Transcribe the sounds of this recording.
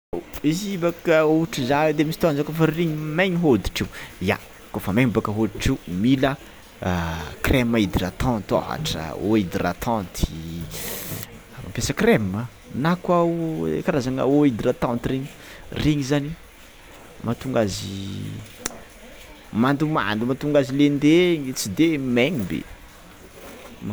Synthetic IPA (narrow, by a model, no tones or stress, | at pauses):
izibakəuʈ͡ʂizaed̪emisit̪anzakofəriɲimajɲiɦod̪i̥ʈ͡ʂiuja̰ | kofəmeɲbakəɦod̪i̥ʈ͡ʂiumilə | kremaid̪irat̪ɑ̃nt̪o̰ɦa̰ʈ͡ʂə̰oid̪ira̰t̪ʰãnt̪i̥ | ma̰mpjasəkremə | nakwa̰kaɾazaŋa̰oid̪irat̪ãnt̪ireɲi | reɲizani | mʔat̪uŋɡazḭ | mand̪uma̰nd̪umat̪uŋɡazilend̪eŋit͡sid̪emeɲibḛ | ma